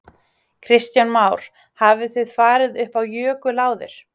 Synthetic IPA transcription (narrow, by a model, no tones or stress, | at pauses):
kʰɾɪst̪janmaːwɾ̥ | haːvɪθɪðfaːɾɪðʏhpawjœːkʏlaːwðɪ̰ɾ̥